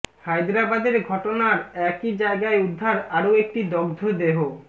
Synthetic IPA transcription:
hajd̪ɾabad̪eɾɡʱɔʈonaɾɛkid͡ʑaeɡaeud̪ʱːaɾaɾoek̚ʈid̪ɔɡd̪ʱod̪eɦo

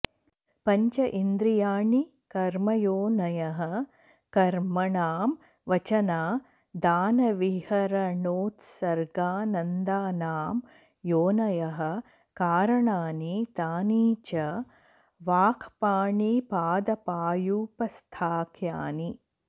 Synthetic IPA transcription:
pɐɲt͡ʃɐʔind̪ɾijaːɳi | kɐɾmɐjoːnɐjɐɦɐ̆ | kɐɾmɐɳaːm | ʋɐt͡ʃɐnaː | d̪aːnɐʋihɐɾɐɳoːt̪sɐɾɡaːnɐnd̪aːnaːm | joːnɐjɐɦɐ̆ | kaːɾɐɳaːnit̪aːniːt͡ʃɐ | ʋaːkʰpaːɳipaːd̪ɐpaːjuːpɐst̪ʰaːkʰjaːni

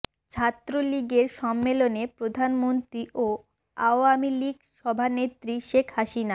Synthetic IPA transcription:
t͡ɕʰat̪ːɾoliɡeɾʃɔmːelonepɾod̪ʱanmont̪ɾiʔo | a̰oamiliɡʃɔbʱanet̪ːɾiʃekʰhaʃina

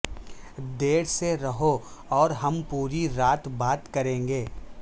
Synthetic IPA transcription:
d̪eːɽseɾɐɦoɔːɾɦɐmpuːɾiɾaːt̪baːt̪kɐɾẽːŋɡeː

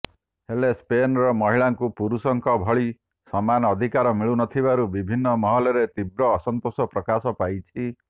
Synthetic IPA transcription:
helespenɾɔmɔɦiɭaŋkupuɾusɔŋkɔbʱɔɭi | sɔmanɔd̪ʱikaɾɔmiɭunɔt̪ʰiβaɾubibʱinːɔmɔɦɔlɔɾet̪ibɾɔːsɔnt̪osɔpɾɔkasɔpajt͡ʃʰi

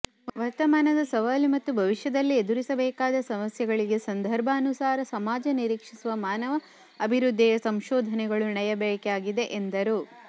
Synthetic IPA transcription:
ʋɐɾt̪ɐmaːnɐd̪ɐsɐʋaːlimɐt̪ːubʱɐʋiʃjɐd̪ɐlːied̪uɾisɐbɛːkaːd̪ɐsɐmɐsjɐɡɐɭiɡe̞sɐnd̪ʱɐɾbʱɐːnusaːɾɐsɐmaːd͡ʒɐniɾiːkʂisuʋɐmaːnɐʋɐː | bʱiɾud̪ʱːijɐsɐmʃɔːd̪ʱɐnɛɡɐɭunɛjɐbɛːkeaːɡid̪e̞ʔend̪ɐɾu

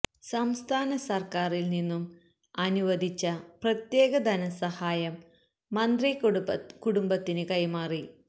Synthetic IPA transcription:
sɐmst̪ʰaːnɐsɐrkaːrilninːum | ɐnuʋɐd̪ʱit͡ɕːɐprɐt̪je̞ːɣɐd̪ɐnɐsɐhaːjɐmː | ɐnd̪rikuɽumbɐt̪ːinɨkɐjmaːri

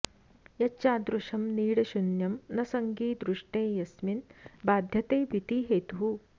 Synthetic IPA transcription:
jɐt͡ʃaːd̪ɾuʂɐmniːɽɐʃunjɐmnɐsɐŋɡiːd̪ɾuʂʈeːjɐsminbaːd̪ʱjɐt̪eːbʱit̪iːɦeːt̪uɦu

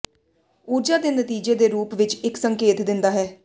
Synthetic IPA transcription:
uːɾd͡ʒaːd̪eːnət̪iːd͡ʒeːd̪eːɾuːpʋɪt͡ʃɪksəŋkeːt̪d̪ɪnd̪aːɦɛː

